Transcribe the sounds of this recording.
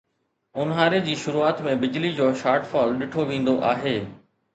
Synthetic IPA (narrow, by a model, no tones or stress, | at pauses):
ʊnɦaːɾed͡ʑiːʃʊɾuːaːt̪mẽbɪd͡ʑlid͡ʑoːʃaːɾʈfɔːlɗɪʈʰoʋĩːn̆d̪oʔaːɦeː